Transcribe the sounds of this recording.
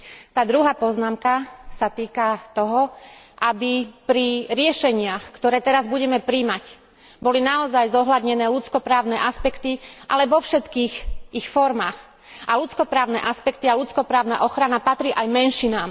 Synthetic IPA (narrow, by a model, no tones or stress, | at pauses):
t̪aːd̪ɾuɦaːpɔznaːmkasat̪iːkat̪ɔɦɔʔabipɾiɾɪɛʃɛɲɪaxkt̪ɔɾɛːt̪ɛɾazbuɟɛmɛpɾimac | bɔlinaɔzajzɔɦlad̪ɲɛnɛːlut͡skɔpɾaːʊnɛːʔaspɛkt̪iʔalɛʋɔfʃɛt̪kiːɣixfɔɾmaːx | alut͡skɔpɾaːʊnɛ̰ːʔaspɛkt̪ialut͡skɔpɾaːʊna̰ʔɔxɾanapat̪ɾiːʔajmɛnʃinaːm